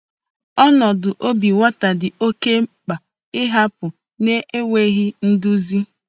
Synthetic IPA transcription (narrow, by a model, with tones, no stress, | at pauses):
ɔ˦nɔ˨dʊ˨ʔo˦bi˨wa˦ta˨dɪ˨o˦ke˦k͡pa˨ | ɪ˦ɦa˦pʊ˨ | ne˦e˦we˦ɣɪ˦n̩˦dʊ˦zi˦